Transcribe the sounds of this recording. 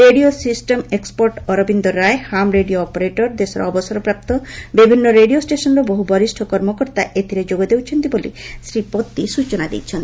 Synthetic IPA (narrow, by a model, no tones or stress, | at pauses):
ɾeɖiosisʈemekspoɾʈɔɾobind̪oɾaehamɾeɖioɔpoɾeʈoɾd̪eʃɔɾa̰ɔbosɔɾopɾap̚t̪obibʱinːoɾeɖiosʈeʃɔnɾoboɦubɔɾisʈʰokɔɾmokoɾt̪aʔet̪ʰiɾed͡ʑoɡed̪ewt͡ɕʰent̪ibolḭsɾipot̪ːiʃut͡ɕonad̪ḭt͡ɕʰen